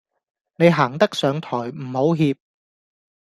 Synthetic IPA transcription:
ne˨˧jɦaː˨˩ŋt̪ɐ˥k̚sœː˨˧ŋt̪ʰɔː˨˩jm̩˨˩ho˨˥wɦiː˧p̚

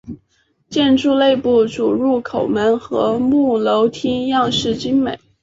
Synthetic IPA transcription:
t͡ɕjɛ˥˧nʈ͡ʂu˥˧le˥˧ɪpu˥˩ʈ͡ʂu˨˩ɻu˥˩kʰo˨˩ʊmə˧˥nxɤ̰˧˥mu˥˩lo˧˥ʊt̪ʰi˥ŋjɑ˥˧ŋʂɻ̩˥˩t͡ɕi˥ŋmḛ˨˩˦ɪ

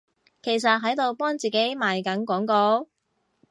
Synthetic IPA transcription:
kʰe˨˩js̬ɐ˨t̚ɦɐ˨˥jt̪o˨˧wpɔː˥ŋt͡siː˨˩ke˨˥jmaː˨jkɐ˨˥nkʷɔː˨˥ŋkɔː˧

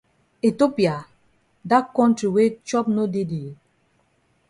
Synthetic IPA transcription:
e˨to˦pi˨a˨ | da˦kɔ̃˦ntɹi˨we˦t͡ʃɔ˦p̚no˦de˦de˨

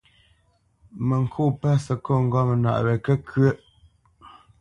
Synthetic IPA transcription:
mə˨ŋ̩˨kʰu˦˨pə˦sə˨ko˦˨ŋ̩˦ɡɔ˦mə˨na̰˨ʔɾɛ˨kə˦kʰə˦ʔ

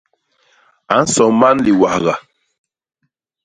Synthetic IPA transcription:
a˨˦n̩˦sɔ˨m˦ba˦nli˨wa˨ɣa˨

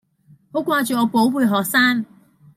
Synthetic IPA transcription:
ho˨˥wkʷaː˧t͡ʃyː˨ŋɔː˨˧˥po˨˥wwuː˨˧jɦɔː˨k̚saː˥ŋ

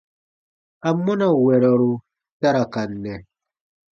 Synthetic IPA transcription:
a˨mːɔ˦na˦˨wɛ˨ɾɔ˨ɾo˨ | ta˦ɾa˨ka˨nːɛ˨

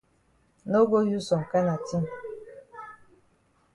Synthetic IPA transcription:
no˦ɡo˦ju˦sɔ˨ŋ̩˨ka˦na˨ti˦m̩˨

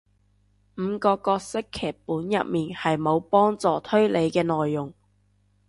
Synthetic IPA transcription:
m̩˨˧kɔː˧kɔː˧k̚sɪ˥kʰːɛː˨˩k̚puː˨˥njɐ̰˨p̚miː˨nhɐ˨jmo˨˧wpɔː˥ŋt͡sɔː˨˩t̪ʰɵ˥ɥle˨˧jkɛː˧nɔː˨jːʊ˨˩ŋ

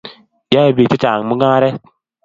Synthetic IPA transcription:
ja˦e˨bi˨ti˦t͡ʃa˨ŋ˨mu˦ɡa˦ɾe˦

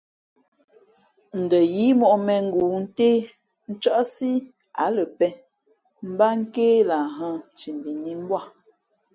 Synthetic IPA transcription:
n̩˨də˨ji˨˦mɔ˨ʔmɛ˨ŋ̩˦ɡuː˨n̩˦teː˦ | n̩˦t͡ʃɔ˦ʔsi˦ | a˨˦lə˨pɛ˦ | m̩˦ba˦ŋ̩˦keː˦la˨ɦə̃˦˨t͡ʃi˨m˨bi˨ni˦m˦bwa˦˨

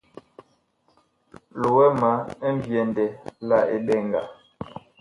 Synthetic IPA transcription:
lo˨wɛ˦ma˨˦m˦bjɛ˨n˨dɛ˨la˦ḛ˨ɓɛ˦˨ŋɡa̰˨

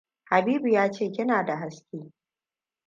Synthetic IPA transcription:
ha˨biː˦bu˨jaː˦t͡ʃeː˦˨kʲɪ˦naː˨da˨ɦa˦skʲeː˦

